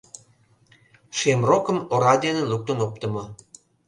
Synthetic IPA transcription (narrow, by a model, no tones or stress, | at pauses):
ʃemrokə̆moɾɑd̪eneluk̚t̪ənop̚t̪ə̆mɤ